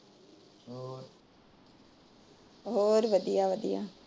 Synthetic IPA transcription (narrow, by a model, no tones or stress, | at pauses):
ɦoːɾʋəd̪ijaːʋəd̪ija̰ː